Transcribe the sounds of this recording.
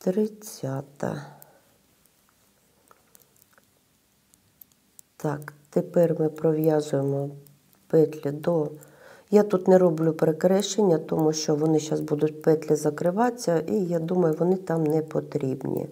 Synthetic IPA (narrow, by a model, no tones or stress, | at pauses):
t̪ɾɪt͡sʲːɑt̪ɐ̰ | t̪ɑkt̪epɛrʲmɪpɾɔʋʲjɑzʊjemɔ | pɛt̪lʲid̪ɔ | jat̪ut̪nɛɾɔblʲupɾekɾɛʃenʲːɐt̪ɔmuʃt͡ʃɔʋɔnɪʃɑsbud̪ʊtʲpɛt̪ʲlʲɪzɐkɾɪʋɑt͡sʲːɐijad̪umɐjʊʋɔnɪt̪ɑmnɛpɔt̪ɾʲibnʲḭ